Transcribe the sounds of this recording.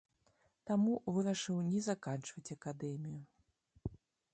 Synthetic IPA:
t̪amuvɨɾɐʂɨwnʲɛzakant͡ʂvɐt͡sʲɐkad̪ɛmʲiju

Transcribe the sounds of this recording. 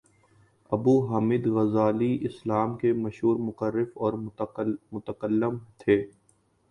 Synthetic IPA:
ɐbuːɦaːmɪd̪ɣɐzaːliʔɪslaːmkemɐʃɦuːɾmʊqəɾːɪfɔːɾ | mʊt̪əkəlːɪmt̪ʰeː

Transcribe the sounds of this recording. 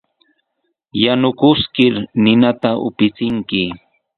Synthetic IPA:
janʊkʊskɪɾnɪnat̪aʔʊ̰pɪt͡sɪŋkɪ

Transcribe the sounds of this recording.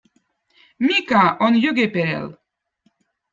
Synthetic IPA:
mikaʔonjøɡepeɾḛl

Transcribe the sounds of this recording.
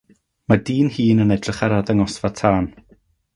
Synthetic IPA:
madiːnhiːnənɛdrɪχaɾaðaŋɔsvatʰaːn

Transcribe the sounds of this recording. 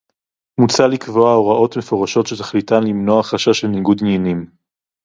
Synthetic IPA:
mut͡salikvoaoʁaʔo̞tme̞fo̞ʁaʃo̞tʃe̞t̪ḁχlitanlimno̞aχaʃaʃelniɡud̪ninim

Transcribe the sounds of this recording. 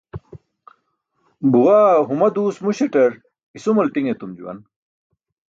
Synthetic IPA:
buʁaːɦumɐd̪uːsmuɕeʈɐɾ | isumɐltiŋet̪umd͡ʑṵwɐ̰n

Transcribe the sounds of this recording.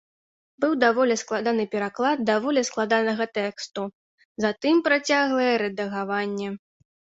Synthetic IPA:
bɨwd̪avɔlʲɛsklˠad̪anɨpʲɛɾaklˠad̪̚d̪avɔlʲɛsklˠad̪anɐɣɐt̪ɛkst̪u | zat̪ɨmpɾat͡sʲaɣlˠɐjɛɾɛd̪ɐɣavanʲːɛ

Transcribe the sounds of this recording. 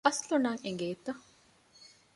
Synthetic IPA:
ɐslunɐŋeŋɡeːt̪ɐ

